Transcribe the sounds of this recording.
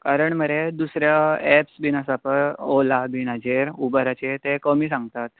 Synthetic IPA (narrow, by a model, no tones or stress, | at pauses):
kaɾəɳməɾed̪usɾjaɛpsbinasapəɾolabinad͡ʑeɾubəɾat͡ɕet̪ekəmiːsãŋɡ̚t̪at̪̚